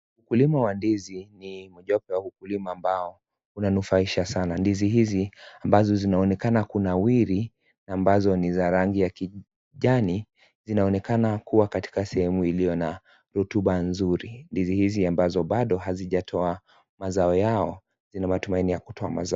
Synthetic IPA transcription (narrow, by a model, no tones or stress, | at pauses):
ukulimawandizinimuʄɔpɛwaukulimaːmbaɔ | unanufaiʃasanandiziɦiziambazɔzinaɔnɛkanakunawiɾi | nːmbazɔnizaɾaŋɡijaki | ʄani | zinaɔnɛkanakuwakati̥kasɛhɛmuilijɔna | ɾutuɓanzuɾindizihiziambazɔɓaɗɔɦaziʄatʰɔa | mazaɔjaɔ | zinamatumainijaku̥tʰɔama̰za